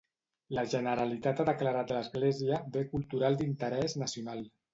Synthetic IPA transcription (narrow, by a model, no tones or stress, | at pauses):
ləʒənəɾalit̪at̪aðəklaɾat̪ləzɣleziəbekulˠt̪uɾalˠd̪int̪əɾɛznəsiunalˠ